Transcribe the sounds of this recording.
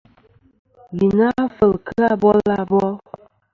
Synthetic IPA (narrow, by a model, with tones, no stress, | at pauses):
bi˨na˦fə˨lkə˦a˦bɔ˦la˦bɔ˦